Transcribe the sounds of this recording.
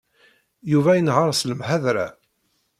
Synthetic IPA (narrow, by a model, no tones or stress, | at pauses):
juvæjənʁɑɾˤsləmhæðɾæ̰